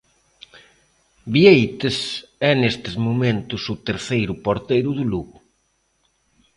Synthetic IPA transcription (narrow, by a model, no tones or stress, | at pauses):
biejt̪esɛnest̪ɪzmumẽnt̪ʊsʊt̪eɾθejɾʊpoɾt̪ejɾʊðuluɣʊ